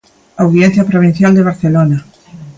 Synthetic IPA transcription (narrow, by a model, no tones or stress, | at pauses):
awðjɛn̟θjɐpɾoβin̟θjald̪eβ̞aɾθelona